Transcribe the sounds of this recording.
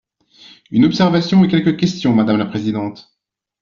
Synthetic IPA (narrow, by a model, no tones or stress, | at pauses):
ynɔpsɛʁvasjɔ̃ekʲɛlkəkʲɛst̪jɔ̃mad̪amlapχezid̪ɑ̃t̪